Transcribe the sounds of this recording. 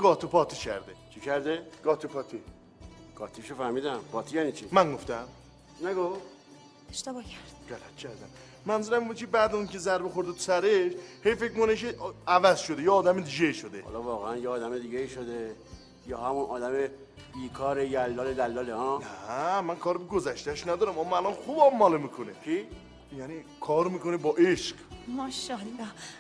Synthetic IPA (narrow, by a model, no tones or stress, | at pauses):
ɡ̥ɒːt̪ʰopʰɒːt̪ʰicʰæ̰ɾd̪e̞̰t͡ʃʰikʰæɾd̪eɡ̥ɒːt̪ʰopʰɒːt̪ʰi | ɡ̥ɒːt̪ʰiʃofæɾmiːd̪æmpʰɒːt̪ʰijæːnit͡ʃʰimæŋɡo̞ft̪æm | næɡoft̪ | eʃt̪ebɒːcʰæɾd̪̥ɢælæt̪̚cʰæɾd̪æm | mænzuɾæmibud̪̚cʰebæd̪æuncʰe̞zæɾbexoɾd̪et̪ʰu̥sæɾeʃhejfe̞cmuneʃ̬eævæzʃod̪ejeɒːd̪æmed̪iɟeiʃod̪ehɒ̰lɒvɒːɣeænjeːd̪æmed̪iːɡeiːʃod̪e | jɒːhæmunʔɒːd̪æme | biːkʰɒːɾejælːɒːled̪ælːɒːleɒːæmænkʰɒːɾbeɡozæʃt̪æʃnæd̪ɒːɾæmɒmælɒnxubɒmːɒlemiːkʰonekʰe | jænikʰɒːɾmiːkonebɒːʔeʃqmɒːʃɒlɒ